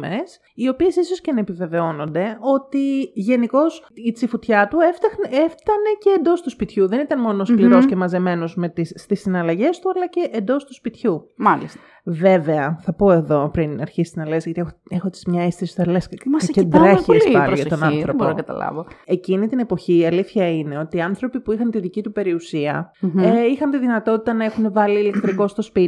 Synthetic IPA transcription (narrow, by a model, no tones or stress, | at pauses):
mes | io̞pie̞siso̞scenepive̞ve̞o̞no̞nd̪e̞o̞t̪iʝe̞niko̞sit͡sifut̪çɐt̪ueft̪ɐxneft̪ɐne̞ce̞ːnd̪o̞st̪uspit̪çuðe̞nit̪ɐnmo̞noskliɾo̞sce̞mɐze̞me̞nozme̞t̪isːt̪isinɐlɐʝe̞st̪uɐlɐce̞ʔend̪o̞st̪uspit̪çumɐlist̪ɐ | ve̞ve̞ɐθɐpo̞e̞ðo̞pɾinɐɾçisinɐlesʝɐt̪iexexot̪i̥zmɲɐist̪ist̪ɐlesmɐsɐced̪ɾɐiesɐɾʝɐtonɐθɾobpoɾonɐkɐt̪ɐ̰lɐ̰voe̞cinit̪ine̞po̞çiːɐliθçɐine̞o̞t̪iɐnθɾo̞pipuixɐnt̪iðicit̪upe̞ɾiusiɐ̰eixɐnt̪iðinɐt̪o̞t̪i̥t̪ɐnɐe̞xune̞vɐliːle̞kt̪ɾiko̞st̪o̞spi